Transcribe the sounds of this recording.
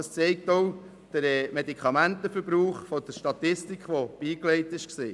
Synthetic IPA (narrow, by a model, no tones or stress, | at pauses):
ɑst͡sɛɪk̚tɔw | d̥əɾɛmedikχɑmæntəfəɾbɾuːχfɔd̥̪əʃtɑt̪ɪstikχʋob̥iːklɛɪtɪʃksiː